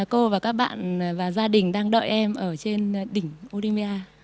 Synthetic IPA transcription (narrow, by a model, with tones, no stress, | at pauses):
ko˧vaː˨˩kaː˦˥k̚ɓa̰ː˧˨nvaː˨˩zaː˧ɗï˨˩ŋ̟ɗaː˧ŋɗə̰ː˧˨jʔɛ˧mʔəː˧˩t͡ɕe˧nɗï˧˩ŋ̟ʔʔo˧li˧mi˧aː˧